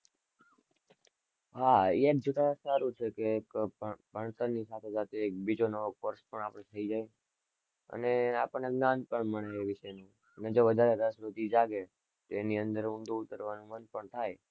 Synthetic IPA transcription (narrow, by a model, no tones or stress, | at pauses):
ɦaiek̚d͡ʒoʈʰasaɾũt͡ʃʰekekbʱəɳt̪ənisat̪ʰesat̪eːk̚bid͡ʒonokoɾspəɳapɽ̃et̪ʰəid͡ʒaj | ə̰neapəɳːeknãnpəɳməɳeːʋɪʃəjnũ | əned͡ʒoʋəd̪ʱaɾeɾəsɾot̪id͡ʒaɡe | t̪oeniənd̪əɾũnd̪uʊt̪əɾʋanũmənpəɳt̪ʰaj